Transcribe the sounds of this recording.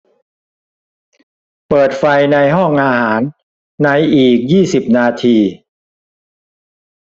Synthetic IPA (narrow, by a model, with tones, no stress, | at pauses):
pɤː˨˩t̪̚fa˧jna˧jɦɔ˥˩ŋʔaː˧haː˩˦nː | a˧jʔiː˨˩k̚jiː˥˩si˨˩p̚naː˧t̪ʰiː˧